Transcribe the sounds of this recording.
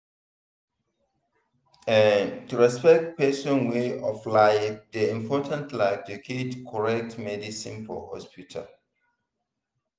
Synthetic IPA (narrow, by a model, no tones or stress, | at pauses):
ɛntuɹɛspɛk̚t̚pɛsɔ̃nweɔflaɪfdəĩmpʰɔtʰãntlakdukʰetkʰɔɹɛk̚tmɛdisĩnfɔ̰hɔ̰spitʰa̰l